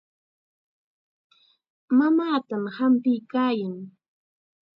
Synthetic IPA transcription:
mamaːt̪amhampɪjkaːjaŋ

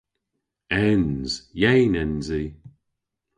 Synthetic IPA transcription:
ɛnz̥jejnɛnzi

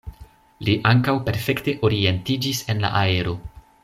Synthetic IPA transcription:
liʔaŋkawpe̞ɾfe̞kte̞ʔo̞ɾie̞ntid͡ʒise̞nla̰ʔae̞ɾo̞

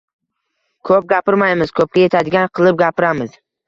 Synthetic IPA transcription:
kʰɵp̚ɡʲapɪɾmajmɪz̥kʰɵp̚kʲaje̞t̪ʰad̪ɪɡʲanqʰɨlˠɪp̚ɡʲapɪɾamɪz

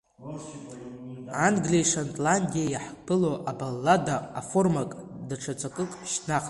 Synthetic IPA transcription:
anɡlejʂantʼlanʲdijajaħkʼpɨloʔabalːadaːformakʼdaʈ͡ʂʰat͡sʷʰʼakʼɨkʼʃnaχʼtʼ

